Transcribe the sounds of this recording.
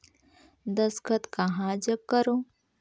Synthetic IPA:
d̪ɐskət̪kɐɦãd͡ʒəb̚kəɾoː

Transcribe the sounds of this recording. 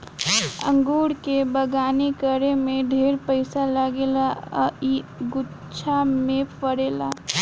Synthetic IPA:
ə̰̃ŋɡuːɽkebəɡaːnekəɾemẽɖʱeːɾpəɪsaləɡelaiɡʊ | t͡ʃʰamẽpəɽeːla̰ː

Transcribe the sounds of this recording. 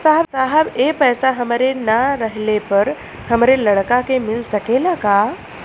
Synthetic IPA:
saɦəbsaɦəbepəjsaɦəmɾenaɾəɦlepəɾ | həmɾeləɽkakemilsəkelaka

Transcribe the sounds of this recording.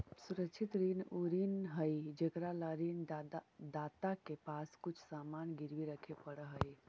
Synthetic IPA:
suɾəkt͡ʃʰit̪ɾinuɾinɦəjd͡ʒekɾalaɾind̪at̪akepaskut͡ʃʰsamanɡiɾʋiɾəkʰepəɽəɦəj

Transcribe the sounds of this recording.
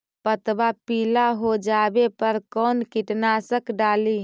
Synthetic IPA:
pət̪bapilaɦod͡ʒabepəɾkɔːnkiʈnasəkɖaːli

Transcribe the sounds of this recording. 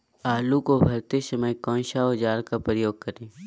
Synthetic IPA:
aːlukobʱɐɾt̪esəməjkɔ̃ːnʃaod͡ʒaːɾkapɾəjoːɡ̚kɐɾẽː

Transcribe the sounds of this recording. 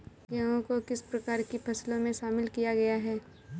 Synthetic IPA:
ɡɐõkokɪspɾɐkaːɾkipʰɐslõmẽʃaːmɪlkijaɡɐjaɦɛː

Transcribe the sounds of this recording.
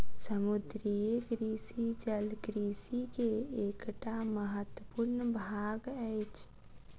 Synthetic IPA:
səmud̪ɾijeɡɾisid͡ʒəlɡɾisikeekʈaməɦət̪wəpuɾnbʱaɡəjt͡ʃʰ

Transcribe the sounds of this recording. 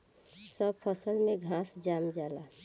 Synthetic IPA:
səbpʰəsəlmẽɡʱãːsd͡ʒaːmd͡ʒaːla

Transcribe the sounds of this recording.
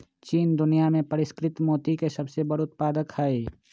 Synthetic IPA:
t͡ʃiːnd̪ʊnijamẽpəɾɪskɾɪt̪moːt̪ikesəbsebəɽʊt̪̚paːd̪əkhɛe

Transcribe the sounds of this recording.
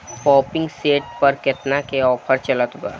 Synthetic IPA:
pɔːpɪ̃ŋɡseːʈ̚pɐɾkɪt̪nakeɔːpʰəɾt͡ʃɐlət̪ba̰ː

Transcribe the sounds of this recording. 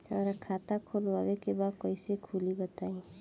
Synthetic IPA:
ɔ̰ɾəkʰaːt̪akʰoːlwaːwekebaːd̪̚kɔisekʰulibət̪aːi

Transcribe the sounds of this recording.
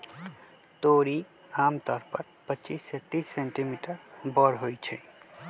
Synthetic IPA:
t̪oɾi | amt̪ʌɾpʌɾ | pətːt͡ʃiset̪isːeɳʈimiʈəɾbʌɾɦojt͡ʃʰʌj

